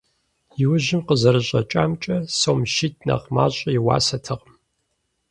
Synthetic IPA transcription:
jɪwʊʑɪmqəzɐɾɨɕʼɐt͡ʃʼaːmt͡ʃʼɐsoːmʃit̚ʰʼnɐ̰qma̰ːɕʼɐjɪwa̰ːsɐtʰɨʁm

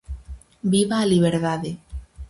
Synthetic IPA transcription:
biβaːliβ̞eɾðaðe

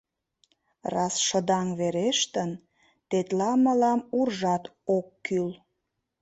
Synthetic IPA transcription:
rɑsʃəd̪ɑŋβeɾeʃt̪ən | t̪et̪lɑməlɑmurʒɑt̪okːyl

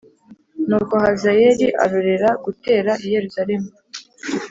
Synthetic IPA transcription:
nuːɡo̞hazajeɾiʔa̰ɾoɾeɾaɡute̞ːɾaʔije̞ɾuzaɾe̞mu

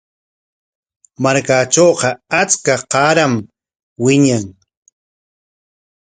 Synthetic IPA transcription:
maɾkaːt͡ʃoːqɑat͡skaqɑːɾam | wɪɲaŋ

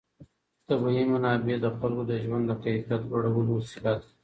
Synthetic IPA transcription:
t̪abajimanɑːbed̪əxalkod̪əʒwand̪ːəqafjat̪waɽawəlosilat̪

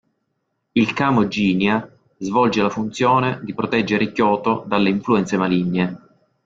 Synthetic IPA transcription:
ilkaːmod͡ʒiːnja | zvɔld͡ʒelafunt̪sjɔːned̪ipɾot̪ɛd͡ʒːeɾekjɔːt̪od̪alːeiɱfluɛnt̪semaliɲːe

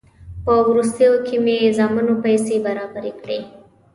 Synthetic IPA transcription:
pəwɾus̬t̪əjokʰemezɑmənopajsebaɾɑbaɾekɽḛ

